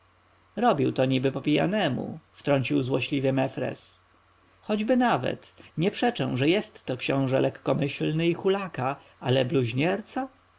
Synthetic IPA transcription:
ɾɔbʲiwt̪ɔɲibɘpɔpʲija̰nɛmṵft̪ɾɔɲt͡ɕiwzwɔɕlʲivʲjɛmɛfɾɛ̰s | xɔd͡ʑbɘnavɛ̰t̪ɲɛpʂɛt͡ʂɛ̰̃w̃ʐɛjɛst̪ːɔkɕɔ̃w̃ʐɛlʔɛkːɔmɘɕlnɘixulaka | ʔalɛbluʑɲɛɾt̪sa

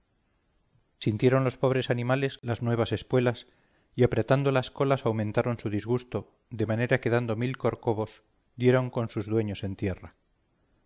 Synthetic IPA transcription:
sint̪je̞ɾo̞nlo̞spo̞β̞ɾe̞sanĩmale̞zlaznwe̞β̞ase̞skwe̞las | iapɾe̞t̪and̪o̞lasko̞lasawmẽnt̪aɾo̞nsuðizɣust̪o̞ | ðe̞mane̞ɾake̞ðand̪o̞milko̞ɾko̞βo̞s | d̪je̞ɾo̞ŋko̞nsuzðwe̞ɲo̞se̞nt̪je̞ra

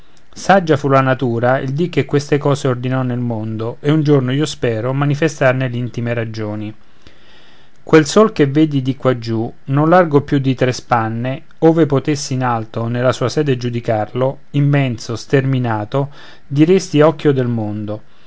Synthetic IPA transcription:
sad͡ʒːafulanat̪uːɾaild̪ik̟ːekːwest̪ekɔːseord̪inɔnːelmond̪oeund͡ʒornoiːospɛːɾomanifest̪arnelint̪imeɾad͡ʒoːni | kwelsolkevːeːd̪id̪ikːwad͡ʒːunonlarɡopjud̪ːit̪ɾespanːe | oːvepot̪esːiinalt̪onelːasuːasɛːd̪ed͡ʒud̪ikarlo | imːɛnt̪sost̪erminaːt̪o | d̪iɾest̪iɔkːjod̪elmond̪o

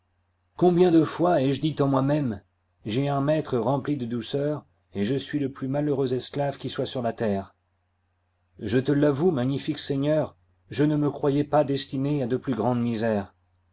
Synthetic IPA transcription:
kɔ̃bjɛ̃d̪əfwaɛʒd̪it̪ɑ̃mwamɛm | ʒɛɛ̃mɛt̪χəʁɑ̃plid̪əd̪usœːʁ | eʒəsɥiləplymaløʁøzɛsklavkʲiswasyʁlat̪ɛːʁ | ʒət̪əlavumaɲifiksɛɲœʁ | ʒənəməkχwajɛpad̪ɛst̪inead̪əplyɡʁɑ̃d̪mizɛːʁ

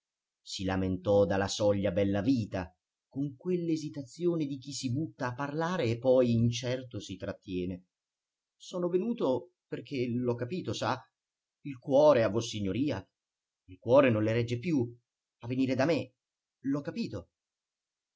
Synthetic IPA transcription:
silament̪ɔd̪alasɔʎːabɛlːaviːt̪a | koŋkwelːezit̪at̪sːjoːned̪ik̟isːibut̪ːaːpːarlaːɾeːpːɔjint͡ʃɛrt̪osit̪ɾat̪ːjɛːne | sɔːnovenuːt̪o | perk̟ʰelɔkːapiːt̪osa | ilkwɔːɾeavːosiɲːoɾiːa | ilkwɔːɾenonleɾɛd͡ʒːepju | avːeniːɾed̪ame | lɔkːapiːt̪o

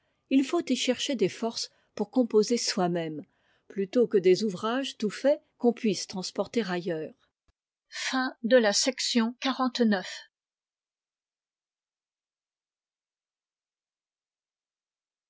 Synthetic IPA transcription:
ilfot̪iʃɛʁʃed̪efɔʁs | puʁkɔ̃pozeswamɛm | plyt̪okəd̪ezuvʁaʒt̪ufɛkɔ̃pɥist̪χɑ̃spɔʁt̪eʁajœːʁ | fɛ̃d̪əlasɛksjɔ̃kaʁɑ̃t̪nœf

